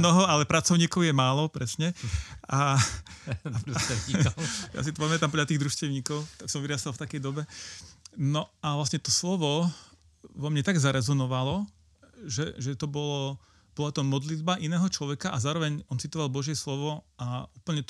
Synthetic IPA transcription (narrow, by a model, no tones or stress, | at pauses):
nɔɦɔalɛpɾat͡sɔʊɲiːkɔʊjɛmaːlɔpɾɛsɲɛa | ja̰sit̪ɔpamɛt̪ampɔʎat̪iːɣd̪ɾuʃcɛʊɲiːkɔʊt̪aksɔmʋiɾast̪alft̪akɛjd̪ɔbɛ | nɔaʋlasɲɛt̪ɔslɔʋɔ | ʋɔmɲɛt̪aɡzaɾɛzɔnɔʋalɔ | ʒɛʒɛt̪ɔbɔlɔ | b̥ɔlat̪ɔmɔd̪lid̪̚baʔinɛːɦɔt͡ʃlɔʋɛkaʔazaːɾɔʋɛɲɔnt͡sit̪ɔʋalˠbɔʒjɛslɔʋɔauːpl̩ɲɛt̪